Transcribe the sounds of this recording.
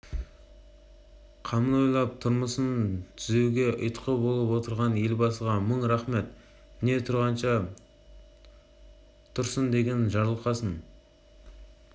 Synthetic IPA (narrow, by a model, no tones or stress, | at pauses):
qʰɑməno̞jlˠɑp̚t̪ʰʊɾməsənt̪ʰʏzewɡʲe̞ʔʊ̰jt̪qəbo̞lˠəpwo̞t̪əɾʁɑnje̞lbɑsəʁɑməɴɾaχmet̪ | mɪne̞t̪ʰʊɾʁɑnʃɑ | t̪ʰʊɾsənd̪e̞ɡʲe̞nʒɑɾlˠqɑsən